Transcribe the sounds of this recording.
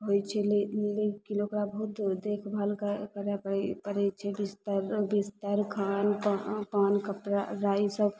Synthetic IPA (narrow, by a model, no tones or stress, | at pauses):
ɦojt͡ʃʰɛllekinokɾabəɦut̪d̪ekʰbəlkəkəɾɛpəpəɾɛt͡ʃʰɛbist̪əɾbist̪əɾkʰanpapankəpɾaɾaisəb